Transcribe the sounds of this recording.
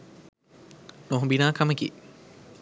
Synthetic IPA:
noɦubinaːkɐməkḭ

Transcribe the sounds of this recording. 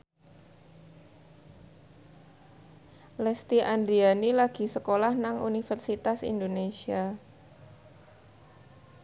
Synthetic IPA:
lɛst̪iʔand̪ɾianilaɡ̥i̤səkolahnaŋṵnifərsit̪asḭndonesia

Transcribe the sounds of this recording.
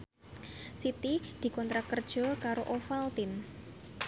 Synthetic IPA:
sit̪id̪̥i̤kɔnt̪ɾakərd̥ʒ̥ɔkaɾoʔofalt̪ɪn

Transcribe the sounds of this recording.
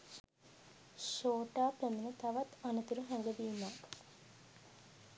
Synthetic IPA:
ʃoːʈaːpæmenət̪aʋat̪anət̪uɾuɦæŋɡədiːmaː

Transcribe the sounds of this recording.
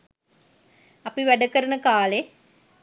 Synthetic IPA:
ɐpiʋæɖəkəɾənəkaːle

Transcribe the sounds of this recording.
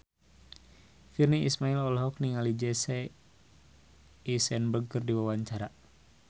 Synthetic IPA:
firniismailɔlɦɔk̚niŋalid͡ʒɛsɛ | isɛnbəɡ̚kɨrdiwawaɲt͡ʃaɾa

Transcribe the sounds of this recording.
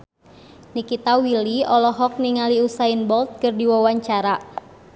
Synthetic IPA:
nikit̪awiliɔlɔɦɔk̚niŋaliusainbɔlt̪̚kɨrdiwawaɲt͡ʃaɾa

